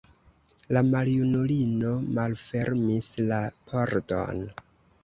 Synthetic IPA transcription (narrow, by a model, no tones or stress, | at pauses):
lamaljunulino̞malfe̞ɾmislapʰoɾdo̰n